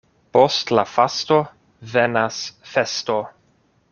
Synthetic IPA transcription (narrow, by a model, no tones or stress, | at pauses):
postlafasto | venasfesto